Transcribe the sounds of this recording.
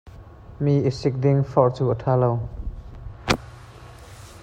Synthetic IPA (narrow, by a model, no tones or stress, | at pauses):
miːʔisɪk̚d̪ɪŋfɔʔt͡suːət̪ʰaːlow